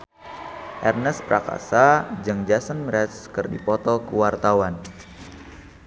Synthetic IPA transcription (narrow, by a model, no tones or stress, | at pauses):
ʔɛrnəspɾaka̰sad͡ʒɨŋd͡ʒasənmɾɛskɨrdipɔt̪ɔkəwart̪awan